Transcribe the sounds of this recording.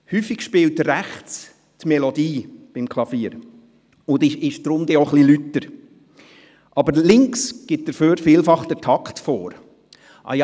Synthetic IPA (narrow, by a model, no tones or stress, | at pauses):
hyːfɪɡ̥ʃpɪːltɾæχt͡s | tmɛlɔdiːb̥ɪmkʰlˠɑfiːəɾ | ʊndɪʃɪʃd̥ɾʊmd̪eoχlilytːəɾ | ʔɑbəɾlɪŋksɡ̥ɪt̚d̥əɾføːɾfiːlfɑχd̥əɾtʰɑktfoːɾ | ʔɑ̰j